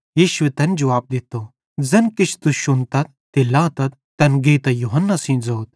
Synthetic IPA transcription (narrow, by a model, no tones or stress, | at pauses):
jiːʃʊwet̪ɐnd͡ʒɐʋaːb̚d̪ɪt̪oː | zɐnkɪt͡ʃʰt̪uʃʊnt̪ɐt̪̚ːilãːt̪ɐt̪̚ | t̪ɐnɡeːt̪ɐjuɦɐnːasĩːd͡zɐːt̪̚